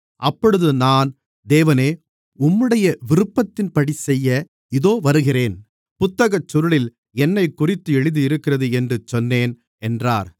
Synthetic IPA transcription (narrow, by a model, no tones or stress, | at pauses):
ʔɐpːɔɽɯðɯnaːn | d̪eːʋɐneː | ʊmːɯɽɐjɐʋɪɾɯpːɐt̪ːɪnpɐɽisɛjːɐ | ɪðoːʋɐɾɯɣɪreːn | pʊt̪ːɐɣɐt͡ʃːʊɾɯɭɪl | ɛnːɐɪkːʊrɪt̪ːɯɛɻɯðɯɪɾɯkːɪrɐðɯɛndrɯt͡ʃːɔnːeːn | ɛndra̰ːɾ